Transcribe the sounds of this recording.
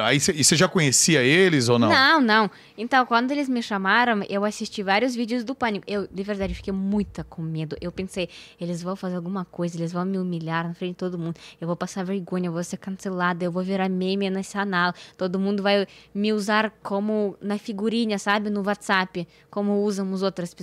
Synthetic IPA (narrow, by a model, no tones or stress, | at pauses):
aiseɪseʒakõɲesiɐelɪzownɐ̃nɐ̃w̃nɐ̃w̃ | ẽnt̪ɐ̃w̃kwɐ̃nd̪ʊelɪzmɪʃamaɾɐ̃w̃ewasist͡ʃivaɾiʊzvid͡ʒɪʊzd̪ʊpɐ̃nikʊewd̪ɪveɾd̪ad͡ʒɪewfi̥kejmũj̃t̪ɐkõmed̪ʊʔewpẽsejelɪzvɐ̃w̃fazeɾawɡũmɐkojzɐelɪzvɐ̃w̃mɪumilʲaɾnɐfɾẽɪt̪od̪ʊmũnd̪ʊewvowpasaɾveɾɡõɲɐewvoseɾkɐ̃selad̪ɐewvowviɾamẽmɪnesɪanawt̪od̪ʊmũnd̪ʊvajmɪuzaɾkõmʊnɐfiɡuɾĩɲɐsabɪnʊwat̪sapɪ | kõmʊuzɐ̃w̃ʊzowt̪ɾɐspe